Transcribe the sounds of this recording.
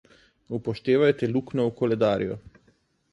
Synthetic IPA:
upoʃt̪eːʋajt̪ɛluknɔukolɛd̪aːɾḭjɔ

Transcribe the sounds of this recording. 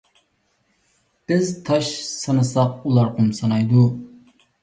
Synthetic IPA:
b̥ɪzt̪ʰɑʃsɑnɨsɑq̚ulˠɑɾqʰumsɑnɑjd̪u

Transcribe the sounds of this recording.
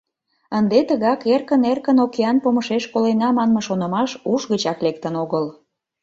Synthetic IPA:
ənd̪et̪əɣɑkerkənerkənokeɑnpoməʃeʃkolenɑmɑnməʃonə̆mɑʃuʃɣət͡ɕɑklek̚t̪ənoɣəl

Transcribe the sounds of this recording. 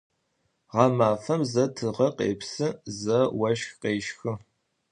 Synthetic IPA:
ʁɑmaːfɐmzɐtʰɨʁɐqḛːpsɨzɐwɐʃxqeːʃxɨ

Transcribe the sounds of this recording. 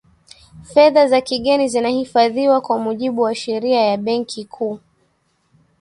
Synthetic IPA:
fɛðazakiɠɛnizinahifaðiwakwamuʄiɓuwaʃɛɾiajaɓɛŋkʰikʰuː

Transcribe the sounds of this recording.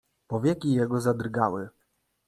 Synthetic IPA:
pɔvʲjɛkʲijɛɡɔzad̪ɾɡawɘ

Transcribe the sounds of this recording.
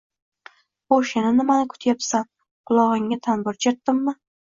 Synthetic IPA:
oʃɪnɪnɪmanɪkʰʊ̥t̪ʰjapsan | qʰʊlˠɒʁɪŋːat̪ʰanbɪɾt͡ʃʰat̪ːɪmːɪ

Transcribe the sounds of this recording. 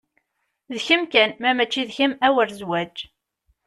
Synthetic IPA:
ðçəmkænmæmæt͡ʃːiðçəmæwəɾzwæd͡ʒ

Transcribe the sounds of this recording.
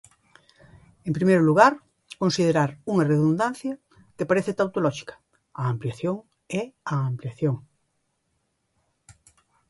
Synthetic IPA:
ẽmpɾimejɾoluɣ̞aɾ | kõnsiðeɾaɾuŋareðund̪an̟θjɐ | kepaɾeθet̪awt̪olɔʃi̥kɐ̥ | aːmpljaθjoŋ | eaːmpljaθjoŋ

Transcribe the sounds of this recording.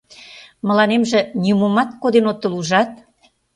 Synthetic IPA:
mə̆lɑnemʒĕnʲiumomɑt̪̚kod̪enot̪ːə̆luʒɑt̪̚

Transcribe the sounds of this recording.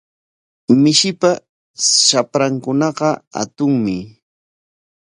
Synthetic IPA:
mɪʃɪpa | ʃapɾaŋkʊnɑqɑa̰t̪ʊŋmɪ

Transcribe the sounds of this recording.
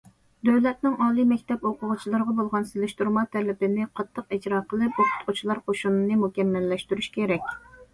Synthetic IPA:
d̪øwlɛt̪̚nɪŋɑːlˠimɛkʲt̪ʰɛpoqʰʊʁʊt͡ʃʰilˠɨɾʁɑbolˠʁɑnselɪʃt̪uɾmɑt̪ʰɛlɪbɪnɪqʰɑt̪ʰːəqid͡ʒɾɑːqʰəlˠɨp̚utʰʊ̥t̪qʰʊt͡ʃʰilˠɑɾqʰoʃunɨnɨmukʲɛmːɛlːɛʃt̪yɾyʃkʲʰeɾɛkʲ

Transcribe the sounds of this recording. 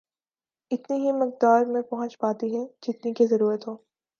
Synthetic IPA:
ɪt̪niɦimɐk̚d̪aːɾmẽpɐɦə̃t͡ʃpaːt̪iɦɛd͡ʒɪt̪nikezɐɾuːɾət̪ɦoː

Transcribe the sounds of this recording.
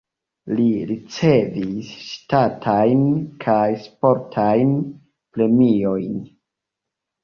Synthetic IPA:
liɾit͡se̞visʃtatʰajnkʰajspo̞ɾtʰajn | pɾe̞mio̞jn

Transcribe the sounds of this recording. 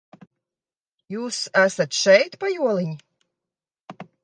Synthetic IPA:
juːsæsat̪ʃɛjt̪pajuɔlˠiɲi

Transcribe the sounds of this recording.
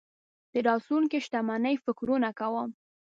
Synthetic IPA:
d̪̥əɾɑsunkeʃt̪amanəjfɪkɾunakawəm

